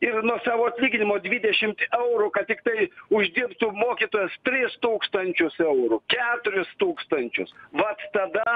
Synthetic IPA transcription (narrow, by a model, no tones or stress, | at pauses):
ɪrnuɔsɑːʋoːɐt̪ʲlʲiːɡʲɪnʲɪmoːd̪ʲʋʲid̪ʲɛʃʲɪmt̪ɛʊɾʊkɐt̪̚t̪ʲɪkt̪ɐɪʊʒʲd̪ʲɪɾp̚t̪ʊːmoːkʲiːt̪oːjɛst̪ʲɾʲɪst̪uːkst̪ɐnʲt͡ʃʲʊsɛʊɾʊkʲæːt̪ʊɾʲɪst̪uːkst̪ɐnʲt͡ʃʲʊ̰sʋɐt̪t̪ɐd̪ɐ